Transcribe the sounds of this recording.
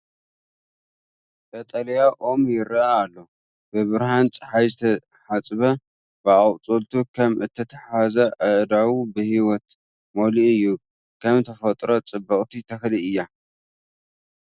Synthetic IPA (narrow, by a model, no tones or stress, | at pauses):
bɐt̪ʼɐljaʔomjɪɾɐaːlːo̞ | bɨβɨɾhant͡sʼɨ̥ħajzɨt̪ʰɐ | ħat͡sʼβɐ | bɨɐwt͡sʼult̪ʰukʰɐmʔɨt̪ʰːɐt̪ʰɐħazɐʔɨʔd̪awubɨhiwɔt̪ | moliɨjːu | kʰɐmt̪ʰɐfɐt̪ʼɾot͡sʼɨbːɐχʼt̪ʰit̪ʰɐxliɨjːa